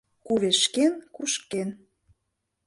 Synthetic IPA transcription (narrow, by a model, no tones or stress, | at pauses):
kuβeʃkenkuʃken